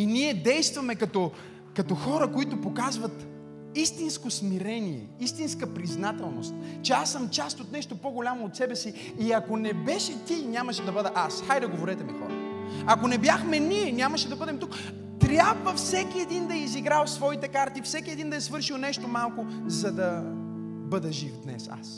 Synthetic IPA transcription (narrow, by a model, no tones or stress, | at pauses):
iniɛd̪ɛjst̪vɐmɛkɐt̪ɔ | kɐt̪ɔxɔɾəkoit̪opokazvɐt̪ | ist̪inskosmiɾɛniɛ̰ist̪inskəpɾiznat̪ɛlˠnost̪̚t͡ʃɛasːəmt͡ʃast̪ot̪nɛʃt̪opoɡolʲamoːt̪sɛbɛsi | iɐkonɛbɛʃɛt̪ʲinʲamɐʃɛd̪ɐbɤd̪ɛʔasxajd̪ɐɡovoɾɛt̪ɛmixɔɾɐ̰t̪ɐkonɛbjaxmɛniɛnʲamɐʃɛd̪ɐbɤd̪ɛmt̪uk | t̪ɾʲjabvəfsɛkʲiɛd̪ind̪ɐiziɡɾalˠsvɔit̪ɛkaɾt̪ifsɛkʲiɛd̪ind̪ɐɛsvɤɾʃilˠnɛʃt̪omalˠkozɐd̪ɐ | bɤd̪ɐʒifd̪nɛ̰sa̰s